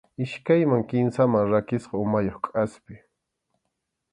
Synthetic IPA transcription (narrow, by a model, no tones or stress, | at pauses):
ɪʃkajmaŋkɪnsamaŋɾakɪsqɑʊmajoχkʼaspɪ